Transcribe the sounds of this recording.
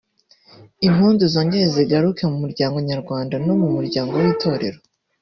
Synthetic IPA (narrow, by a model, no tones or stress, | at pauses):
im̥huːnzuzo̞ːɲɟeɾeziɡaɾukʰe̞mumuɾɟaːŋɡo̞ɲaɾɡwaːndano̞mumuɾɟaːŋɡo̞wiːtʰo̞ːɾe̞̰ɾo